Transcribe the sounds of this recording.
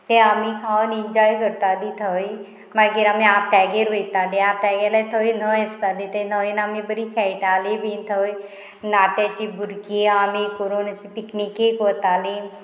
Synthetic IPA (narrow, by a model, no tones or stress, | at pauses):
t̪ẽaːmĩkʰanɪnd͡ʒaːjkəɾt̪aːd̪it̪ʰəj | maɡeɾaːmẽaːp̚t̪ɛːɡeɾʋeit̪aːd̪eaːp̚t̪ɛːɡelat̪ʰəinəest̪ad̪it̪enəinaːmẽbəɾikʰɛːʈaːlebint̪ʰəj | naːt̪et͡ʃibuɾkiaːmekoɾoːnat͡ʃipiknikekot̪aːle